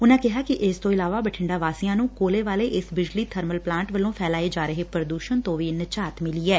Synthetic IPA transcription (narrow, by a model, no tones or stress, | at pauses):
ʊnãːkɪɦaːkɪʔɪst̪õːɪlaːʋaːbəʈʰɪɳɖaːʋaːsijãːnũːkoːleːʋaːleːʔɪsbɪd͡ʒliːt̪ʰəɾməlplãːɳʈʋəlõːpʰɛːlaːeːd͡ʒaːɾəɦeːpɾəd̪uːʃənt̪õːʋiːnət͡ʃaːt̪mɪliːɛː